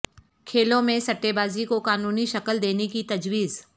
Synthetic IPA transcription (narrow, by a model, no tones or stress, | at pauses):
kʰeːlõmẽsɐʈːebaːzikokaːnuːniʃɐkəld̪eːnekit̪ɐd͡ʒwiːz